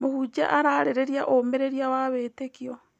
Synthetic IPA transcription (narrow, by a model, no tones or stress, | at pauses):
mohud͡ʒa̰ʔaɾaɾeɾeɾjaʔomeɾeɾiawaβetekiɔ